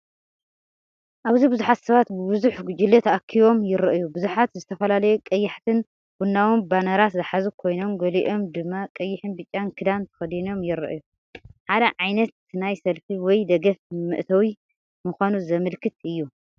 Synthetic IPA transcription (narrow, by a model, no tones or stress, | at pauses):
ʔaβzibɨzuħat̪sɐβat̪bɨbɨzuħɡud͡ʒɨlːet̪ʰʔakʰːiβo̞mjɪɾɨʔjubɨzuħat̪zɨt̪ʰɐfɐlalɐjukʼɐjːɪħt̪ʰɨn | b̥unːawimbanɐɾat̪zɐħazukʰo̞jno̞mɡɐliʔo̞md̪ɨmːakʼɐjːɪħɨnbɨt͡ʃʼːankʰɨd̪ant̪ʰɐ̥xɐd̪ino̞mjɪɾɨ̰ʔju | ħad̪ɐʕajnɐt̪̚ʰːɨnajsɐlfiwɔjd̪ɐɡɐfmɨ̰ʔt̪ʰɐwi | muxʷanuzɐmɨlkʰɨt̪ɨjːu